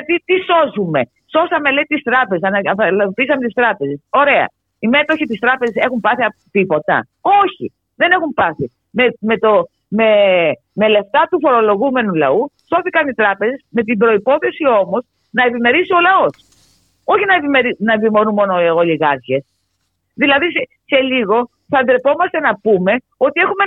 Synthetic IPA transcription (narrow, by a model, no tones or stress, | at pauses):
ɐt̪it̪iso̞zume̞ | so̞sɐme̞le̞it̪ist̪ɾɐpe̞znɐɐɐlɐp̪isɐmet̪ist̪ɾɐpe̞ze̞so̞ɾe̞ɐ̰ | ime̞t̪o̞çit̪ist̪ɾɐpe̞zese̞xumpɐθiɐpt̪ipo̞t̪ɐ̰ | oçḭ | ðe̞ne̞xumpɐθi | memet̪o | me | me̞le̞ft̪ɐt̪ufo̞ɾo̞lo̞ɣume̞nulɐust̪o̞θikɐnit̪ɾɐpe̞zesme̞t̪imbɾo̞ipo̞θe̞sio̞mo̞s | nɐe̞pime̞ɾisio̞lɐo̞s | o̞çinɐepimeɾinɐevimo̞nunmo̞nooliɣɐɾçe̞s | ðilɐðise | se̞liɣo̞ | θɐnd̪ɾepo̞mɐst̪e̞nɐpume̞ | o̞t̪ie̞xume